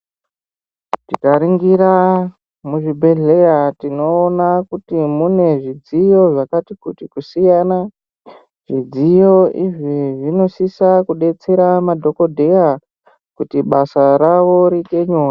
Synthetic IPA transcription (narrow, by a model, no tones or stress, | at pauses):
tikaɾiŋɡiɾa | muʐibʱe̞ɮe̞jatino̞ːnakutimune̞ʐid͡zijo̞ʐakatikutikusijana | ʐ̥id͡zijo̞iʐiʐino̞sisakuɗe̞t͡se̞ɾamadʱo̞ko̞dʱe̞ja | kutiɓasaɾaʋo̞ɾite̞ɲoːja